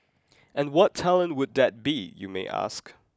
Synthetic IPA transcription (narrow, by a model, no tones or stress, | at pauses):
ɨ̃nwʌtʰɛlˠə̃nwəd̪̚ðɨt̚b̥ijɨ̰meɪʔæ̰sk